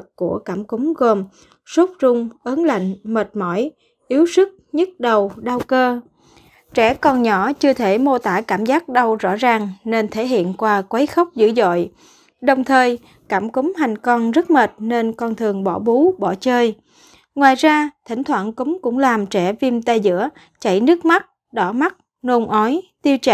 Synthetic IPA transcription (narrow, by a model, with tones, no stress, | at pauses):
kku˧˩əkaː˧˩mkʊ˨˦ŋ͡mɣo˨˩m | su˦˥p̚zʊ˧ŋ͡mʔə˨˦nla̰˧˨jŋ̟məː˨˩t̚mɔ˧˩j | ʔi˨˦əwsɨ˦˥k̚ɲə˦˥t̚ɗə˨˩wɗaː˧wkəː˧ | t͡ɕɛ˧˩kɔ˧nɲɔ˧˩t͡ɕɨ˧ət̪ʰe˧˩mo˧t̪aː˧˩kaː˧˩mzaː˦˥k̚ɗa˧wzɔ̰˧˥zaː˨˩ŋne˧nt̪ʰe˧˩˦ɦḭ˧˨ənkwaː˧kwaə˨˦jxə˦˥wk͡p̚zɨ̰˧˥zo̰˧˨j | ɗə˨˩wŋ͡mt̪ʰəː˨˩j | kaː˧˩mkʊ˨˦ŋ͡mɦa˨˩jŋ̟kɔ˧nzə˦˥t̚məː˨˩t̚ne˧nkɔ˧nt̪ʰɨ˨˩əŋɓɔ˧˩ɓu˨˦ɓɔ˧˩t͡ɕəː˧j | ŋwaː˨˩jzaː˧t̪ʰï˧˩ŋ̟t̪ʰwa̰ː˧˨nkʊ˨˦ŋ͡mkʊ̰˧˥ŋ͡mlaː˨˩mt͡ɕɛ˧˩vi˧mt̪a˧jzɨ̰˧˥ə | t͡ɕa̰˧˨jnɨ˦˥ək̚ma˦˥t̚ | ɗɔ˧˩ma˦˥t̚ | no˧nʔɔ˨˦jt̪i˧əwt͡ɕa˧˨